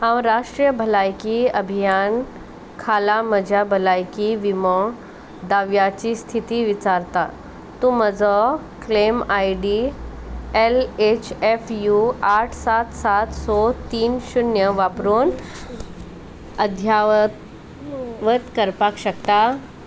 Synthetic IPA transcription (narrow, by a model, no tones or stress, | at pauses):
hãwɾaʂʈɾijəbʱəlajkiəbʱijan | kʰalaməd͡ʑʱabʱəlajkiʋimɔ | d̪aʋjat͡ɕist̪ʰit̪iʋit͡ɕaɾt̪a | t̪ũməd͡zɔ | klemajɖi | elet͡ɕefjuaʈʰsat̪sat̪sɔt̪iːnɕunjəʋapɾuːn | əd̪ʱja | ʋət̪kəɾpakɕəkt̪a